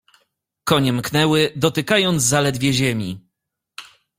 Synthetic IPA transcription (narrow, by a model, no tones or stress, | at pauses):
kɔɲɛmknɛwɘd̪ɔt̪ɘkajɔnd̪zzalɛd̪vʲjɛʑɛmʲi